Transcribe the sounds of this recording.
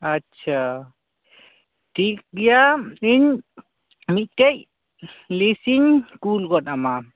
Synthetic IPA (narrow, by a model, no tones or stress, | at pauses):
atːt͡ʃʰa | ʈʰik̚ɡɛjaiɲ | mit̪̚ˀkɛc̚ | lisiɲkulɡɔtama